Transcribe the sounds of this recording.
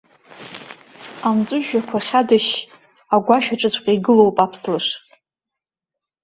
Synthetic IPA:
amzʷʼʊʒᶣakʷʰaχʲadɨʃ | aɡʷaʃᶣaʈ͡ʂʷʼɨt͡ɕʷʰqʲʼaiɡɨlo̞wpʼapʰslɨʂ

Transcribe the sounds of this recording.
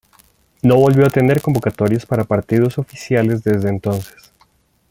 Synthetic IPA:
no̞βo̞lbβjo̞at̪e̞ne̞ɾko̞mbo̞kat̪o̞ɾjospaɾapaɾt̪ið̞o̞so̞fisjale̞zðe̞zðeːnt̪o̞nse̥s

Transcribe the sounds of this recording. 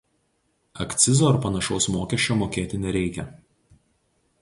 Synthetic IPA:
ɐkʲt̪sʲɪzoːɐɾpɐnɐʃɔʊsmoːkʲɛʃʲt͡ʃʲomoːkʲeːt̪ʲɪnʲɛɾʲɛɪkʲɛ

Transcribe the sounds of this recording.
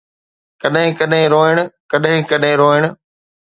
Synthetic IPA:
kɐɗɦɪ̃kɐɗɦɪ̃ɾoːɪɽ̃ʊ̆kɐɗɦɪ̃kɐɗɦɪ̃ɾoːɪɽ̃

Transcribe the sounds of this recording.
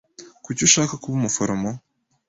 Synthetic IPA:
kucuʃaːkakuβumufoɾamo

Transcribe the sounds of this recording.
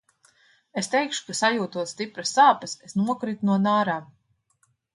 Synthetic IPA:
est̪ɛjkʃu̥kasajuːt̪uɔst̪ipɾɐsaːpɐsesnuɔkɾit̪unuɔnaːɾaːm

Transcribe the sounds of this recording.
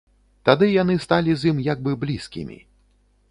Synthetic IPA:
t̪ad̪ɨjan̪ɨst̪alʲizʲimjaɡ̚bɨblʲiskʲḭmʲḭ

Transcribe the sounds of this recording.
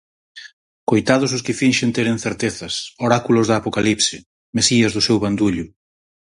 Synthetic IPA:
kojt̪að̞ʊs̬ʊskɪfinʃent̪eɾeŋθeɾt̪eθɐsoɾakulʊzðɐːpokalipsɪ | mesiɐzðʊsewβand̪uʎʊ

